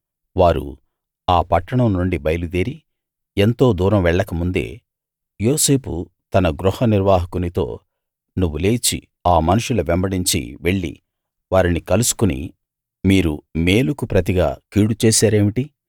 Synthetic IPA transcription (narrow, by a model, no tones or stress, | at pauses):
ʋaːɾṵ | aːpɐʈːɐɳɐmnuɳɖibɐjɐlud̪eːɾi | ent̪o̞ːd̪uːɾɐmʋɛɭːɐkɐmund̪e̞̰ː | jo̞ːse̞ːpu | t̪ɐnɐɡɾuhɐniɾʋaːɦɐkunit̪o̞̰ː | nuʋːule̞ːt͡ʃḭ | aːmɐnuʂulɐʋɛmbɐɽiɲt͡ʃḭʋe̞ɭːḭ | ʋaːɾinikɐlusu̥kunḭ | miːɾume̞ːlukupɾɐt̪̬iɡa̰ːkiːɽut͡ʃeːsaːɾe̞ːmiʈi